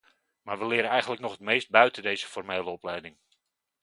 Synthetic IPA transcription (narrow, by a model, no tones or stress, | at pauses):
marʋəlɪːɾəɛjɣəndləknɔχətmejst̚bœɥtədejzəfɔrmeːləɔplɛjdɪŋ